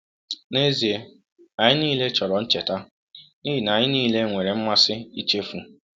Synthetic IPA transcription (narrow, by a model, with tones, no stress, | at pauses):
ne˦zi˨e˦ | a˨ɲɪ˦niː˦le˦t͡ʃɔ˨ɾɔ˨n̩˦t͡ʃe˨ta˦ | ni˦ɦi˨na˨ɲɪ˦niː˦le˦ŋʷe˨ɾe˨m̩˦ma˦sɪ˦i˦t͡ʃe˦fu˨